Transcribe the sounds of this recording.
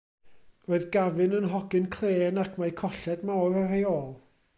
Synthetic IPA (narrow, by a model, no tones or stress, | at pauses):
roːɨðɡavɨnənɦɔɡɨnkʰl̥ˠeːnakʰmaɨkʰɔɬɛdmawrareoːlˠ